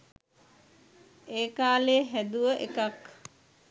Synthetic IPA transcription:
eːkaːleɦæd̪uʋəʔekak

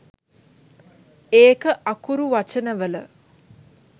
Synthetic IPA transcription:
eːkəʔakuɾuʋat͡ʃənəʋələ

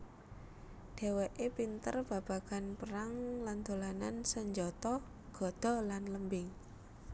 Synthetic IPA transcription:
d̪̥e̤weʔepint̪ərb̥a̤b̥a̤ɡ̥anpəɾaŋland̪olanansəɲd͡ʒɔt̪ɔ | ɡ̥ɔ̤d̪̥ɔ̤lanləmbɪŋ

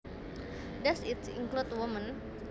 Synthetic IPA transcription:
dɛsit̪sḭŋklut̪wɔmən

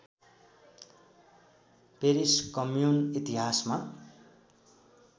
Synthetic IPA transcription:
peɾiskʌmjunit̪iɦasma

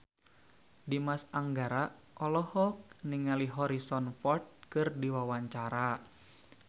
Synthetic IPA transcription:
dimasaŋɡaɾa | ʔɔlɔhɔk̚niŋaliɦɔɾisɔnfɔrt̪̚kɨrdiwawaɲt͡ʃaɾa

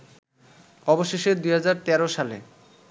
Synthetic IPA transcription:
ɔboʃeʃed̪ujɦad͡ʑaɾt̪ɛɾoʃalḛ

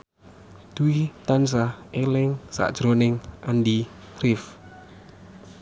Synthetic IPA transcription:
d̪̥uwit̪ans̬aelɪŋsa̰ʔd̥ʒ̥ɾonɪŋʔand̪i | rɪf

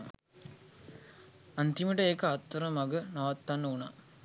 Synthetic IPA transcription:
ɐnt̪imiʈɐeːkɐɐt̪ːɐɾɐmɐɡɯnaʋɐt̪ːanːɐuna̰

